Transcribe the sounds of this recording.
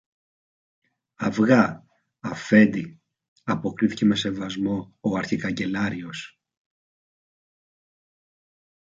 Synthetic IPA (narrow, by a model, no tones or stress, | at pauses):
ɐvɣɐ | ɐfe̞nd̪i | ɐpo̞kɾiθice̞me̞se̞vɐzmo̞oɐɾçikɐɲɟe̞lɐɾio̞s